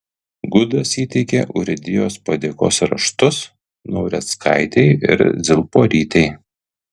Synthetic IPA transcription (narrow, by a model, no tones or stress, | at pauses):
ɡʊd̪ɐsiːt̪ʲɛɪkʲɛ̰ʔʊɾʲɪd̪ʲɪjoːspɐd̪ʲeko̰ːsɾɐ̰ʃt̪ʊs | nɔʊɾʲɛskʰɑ̰ɪt̪ʲɛɪɪ̰ɾzʲɪlˠpoːɾʲiːt̪ʲɛɪ